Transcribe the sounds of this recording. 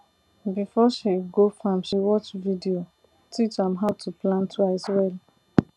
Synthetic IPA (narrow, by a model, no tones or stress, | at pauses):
bifɔʃiɡofɔ̃mʃiwɔt͡ʃvidio | tʰit͡ʃãmɦaʊtʰuplãntʰuazwɛl